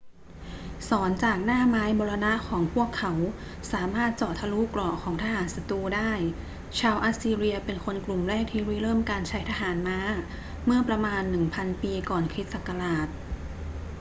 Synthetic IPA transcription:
sɔː˩˦nt͡ɕaː˨˩k̚naː˥˩maː˦˥jbɔː˧ɾa˧na˦˥ʔkʰɔː˩˦ŋpʰu˥˩əkʰːa˩˦w | saː˩˦maː˥˩t̪̚t͡ɕɔː˨˩t̪ʰa˧luː˦˥klɔː˨˩kʰɔː˩˦ŋt̪ʰa˧ɦaː˩˦nsa˧t̪uː˧daː˥˩j | t͡ɕʰaː˧wʔa˦˥siː˧ɾi˧ɐpe˧nkʰo˧nklu˨˩mɾɛː˥˩k̚t̪ʰiː˥˩ɾiː˧˥˩ɾɤː˥˩mkaː˧nt͡ɕʰa˦˥jt̪ʰa˧ɦaː˩˦nmaː˦˥ | mɯ˥˩ɐpɾa˧maː˧nːɯ˨˩ŋpʰa˧npiː˧kɔː˨˩nkʰɾi˦˥t̪̚sa˨˩kːa˧ɾaː˨˩t̪̚

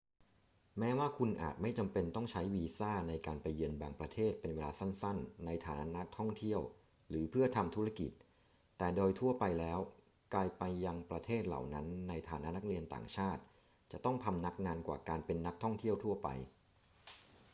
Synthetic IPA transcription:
mɛː˦˥waː˥˩kʰu˧nʔa̰ː˨˩t̪̚ma˥˩jt͡ɕa˧mpe˧nt̪ɔ˥˩ŋt͡ɕʰa˦˥jwiː˧saː˥˩na˧jkaː˧npa˧jːɯ˧ənbaː˧ŋpɾa˧t̪ʰeː˥˩t̪̚pe˧nweː˧laː˧sa˥˩nsa˥˩nːa˧jt̪ʰaː˨˦na˦˥na˦˥t̪ʰɔ˥˩ŋt̪ʰi˥˩əw | ɾɯː˩˦pʰɯ˥˩ɐt̪ʰa˧mt̪ʰu˦˥ɾa˥˩kḭ˨˩t̪̚ | t̪ːɛː˨˩doː˧jt̪ʰu˥˩ɐpa˧jlɛː˦˥w | klaː˧jpa˧jːa˧ŋpɾa˧t̪ʰeː˥˩t̪̚la̰˨˩wna˦˥nːa˧jt̪ʰaː˨˦na˦˥na˦˥k̚ɾi˧ənt̪a̰ː˨˩ŋt͡ɕʰaː˥˩t̪̚ | t͡ɕa̰˨˩ʔt̪ɔ˥˩ŋt̪ʰa˧mna˦˥k̚naː˧nkwa̰ː˨˩kaː˧npe˧nːa˦˥k̚t̪ʰɔ˥˩ŋt̪ʰi˥˩əwt̪ʰu˥˩ɐpa̰˧j

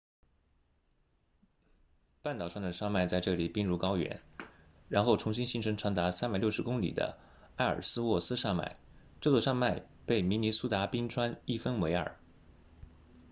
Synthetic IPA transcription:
pa˥˩nt̪ɑ˨˩ʊʂɑ˥˩ŋd̪ə˩ʂɑ˥˧ma˥˧ɪt͡sa˥˧ɪʈ͡ʂɤ˥˩li˨˩pi˥ŋɻu˥˩kɑ˥ʊɥɛ̰˧˥n | ɻa˧˥nxo˥˩ʊʈ͡ʂʰʊ˧˥ŋɕi˥nɕi˧˥nʈ͡ʂʰɤ˧˥ŋʈ͡ʂʰɑ˧˥ŋt̪a˧˥sa˥npa˨˩ɪljʊʂɻ̩˧˥kʊ˥ŋlḭ˨˩d̪ə̰˦ | a˥˩ɪə̰˞˨˩sɹ̩˥wɔ˥˩sɹ̩˥ʂa˥˧ma̰˥˩ɪ | ʈ͡ʂɤ˥˧t͡swɔ˥˩ʂɑ˥˧ŋma˥˧ɪ | pe˥˩ɪmi˧˥ni˧˥su˥t̪a˧˥pi˥ŋʈ͡ʂʰwa˥ni˥˩fə˥nwe˧˥ɪə̰˞˨˩˦

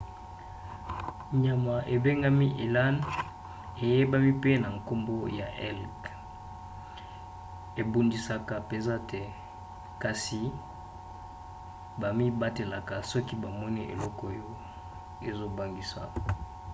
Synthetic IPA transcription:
ɲa˨ma˨ʔe˨be˦ŋɡa˦mi˦ʔe˨la˦n | e˨je˦ba˦mi˦pe˦na˨ŋko˦mbo˦ja̰˨ʔɛ˦lk | e˨bu˦ndi˦sa˦ka˨pe˨nza˦te˨ | ka˨si˨ | ba˨mi˦ba˦te˨la˨ka˨sɔ˦ki˦ba˨mɔ˦ni˦ʔḛ˨lɔ˦kɔ˦jo˦ | e˨zo˦ba˦˨ŋɡi˦sa̰˨

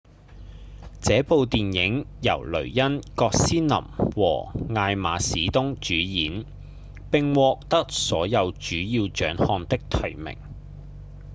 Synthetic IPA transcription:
t͡sɛː˨˥po˨wt̪iː˨njɪ˨˥ŋjɐ̰˨˩wlɵ̰˨˩ɥjɐ˥nkɔː˧k̚siː˥nlɐ̰˨˩mwɔ̰ː˨˩ŋaː˧jmaː˨˧˥siː˨˥t̪ʊ˥ŋt͡ʃyː˨˥jiː˨˥n | pɪ˨ŋwɔː˧k̚t̪ɐ˥k̚sɔː˨˥jɐ˨˧wt͡ʃyː˨˥jiː˧wt͡ʃœː˨˥ŋhɔː˧nt̪ɪ˥k̚t̪ʰɐ˨˩jmɪ̰˨˩ŋ

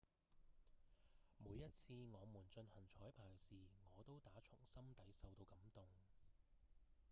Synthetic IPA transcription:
muː˨˧jːɐ˥t̚t͡sʰiː˧ŋɔː˨˧muː˨˩nt͡ʃɵ˧nhɐ˨˩ŋt͡ʃʰɔː˨˥jpʰaː˨˩˥siː˨ŋɔː˨˧t̪o˥wt̪aː˨˥t͡ʃʰʊ˨˩ŋsɐ˥mt̪ɐ˨˥jsɐ˨wt̪o˧wkɐ˨˥mt̪ʊ˨ŋ

